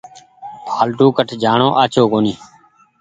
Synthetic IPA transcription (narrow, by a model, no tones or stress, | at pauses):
pʰaːlʈuːkəʈʰd͡ʒaːɳõːʔaːt͡ʃʰoːkoːniː